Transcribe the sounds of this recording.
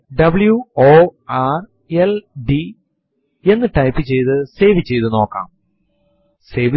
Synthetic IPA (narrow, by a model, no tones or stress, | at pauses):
ɖɐbɨljuoːaːr | elɖi | e̞nːɨʈɐjpːɨt͡ɕe̞jt̪ɨse̞ːʋit͡ɕːe̞jt̪ɨno̞ːkːa̰ːm | seːʋ